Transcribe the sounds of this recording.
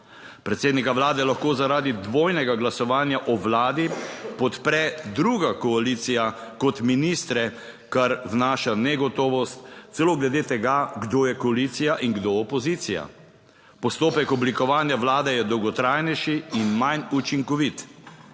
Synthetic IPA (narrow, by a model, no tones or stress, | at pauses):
pɾɛt̪seːd̪nikaʋlaːd̪ɛlaxkoːzaɾaːd̪id̪ʋoːjnɛɡaɡlasɔʋaːnjaʔɔʋlaːd̪ipɔt̪pɾɛd̪ɾuɡakɔalit̪sijakɔt̪minist̪ɾɛ | kaɾwnaːʃanɛɡɔt̪ɔːʋɔst̪t̪sɛloːɡlɛd̪eːt̪ɛɡaɡd̪oːjɛkɔalit̪sijaʔiŋɡd̪oɔpɔzit̪sija̰ | pɔst̪oːpɛkɔblikɔʋaːnjaʋlaːd̪ɛjɛd̪ɔwɡɔt̪ɾajnɛjʃiːnmajnut͡ʃiŋkɔʋit̪